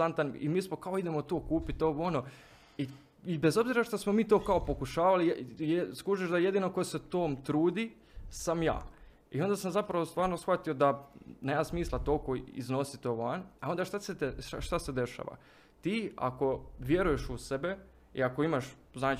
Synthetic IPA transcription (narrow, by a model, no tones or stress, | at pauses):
ant̪anḭmiːsmo̞kao̞id̪e̞mo̞t̪oːkuːpit̪o̞ʋono̞ | i | ibezo̞bziɾaʃt̪osmo̞miːt̪o̞ːkao̞po̞kuʃaːʋalijeskuʒiʃd̪aje̞d̪iːno̞ko̞jese̞t̪oːmt̪ɾuːd̪i | samja̰ː | io̞nd̪asamzapɾaʋo̞st̪ʋaːɾnosxʋat̪io̞d̪aneːmasmiːslˠat̪o̞lkoḭzno̞sit̪oːʋanao̞nd̪aʃt̪aseaʃt̪ase̞d̪e̞ʃa̰ːʋa̰ | t̪iːa̰ko̞ʋje̞ɾuje̞ʃusebe | ḭako̞imaʃ | znaːt͡ʃ